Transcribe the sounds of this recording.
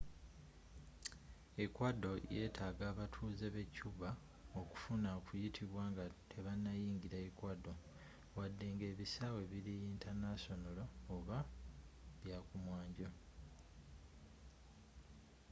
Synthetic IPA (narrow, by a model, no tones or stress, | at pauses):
e̞kwado̞je̞ːtʰaːɡaːβatʰuːze̞βe̞cuβa | oku̥funaokujitʰiβwaːŋɡatʰe̞βanːajiːŋɟiɾaekwado̞ | wadːe̞ŋɡe̞ːβisaːwe̞βiɾijiːntʰanaso̞nolo̞ːβa | βjaːkumwaːɲɟo